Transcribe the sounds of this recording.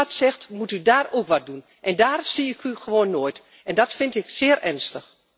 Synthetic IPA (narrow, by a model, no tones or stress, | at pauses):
tsɛxtmutydaːroːkʋɔt̚dun | ʔɛndaːrsiɪkʰyxəʋoːnːoːjt | ɛndɔtfɪntɪksɪːərʔɛrnstəx